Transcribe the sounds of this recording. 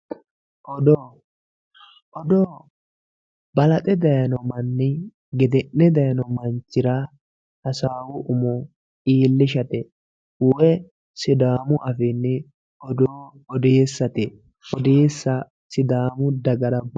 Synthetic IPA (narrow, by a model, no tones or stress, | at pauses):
ʔɔd̪oː | ʔɔd̪oː | bɐlɐt̪ʼɛd̪ɐjɐnɔmɐnːɪ | ɡɛd̪ɛnːɛd̪ɐjɐnɔmɐnt͡ʃːɪɾa | hɐsaːwʊʔʊmɔ | iːlːɪʃɐt̪ɛ | ʊwɛ | sɪd̪aːmʊʔɐfɪnːɛ | ɔd̪oː | ɔd̪eːsːɐt̪ɪ | ɔd̪eːsːɐ | sɪd̪aːmʊd̪ɐɡɐɾɐb